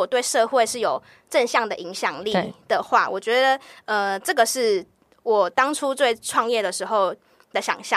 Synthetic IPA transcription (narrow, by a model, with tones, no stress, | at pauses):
ɔ˨˩t̪we˥˧ɪʂɤ˥˧xwe˥˧ɪʂɻ̩˥˩jo˨˩ʊ | ʈ͡ʂə˥˧nɕjɑ˥˩ŋd̪ə˩ʔi˧˥ŋɕjɑ˨˩ŋli˥˨d̪̥ə˩xwa̰˥˩wɔ˨˩t͡ɕɥɛ˧˥d̪ə˧ə˩ʈ͡ʂə˥˩ɡə˩ʂɻ̩˥˩ | wɔ˨˩t̪ɑ˥ŋʈ͡ʂʰu˥t̪we˥˧ɪʈ͡ʂʰwɑ˥˧ŋjɛ˥˩d̪ə˩ʂɻ̩˧˥xo˥˧˩ʊ | d̪ə˩ɕjɑ̰˨˩ŋɕjɑ˥˨